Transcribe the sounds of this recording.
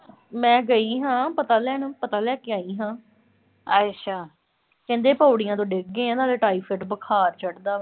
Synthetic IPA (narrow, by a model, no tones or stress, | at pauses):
mɛ̃ːɡəiːɦãːpət̪aːlɛːnpət̪aːlɛːkɪaːiːɦãː | əʃʰaː | kɛ̃ːnd̪eːpaːɽɪjãːt̪õːɖɪɡẽːãːnaːleːʈaːiːfʰəʈbəkʰaːɾt͡ʃəɽd̪aː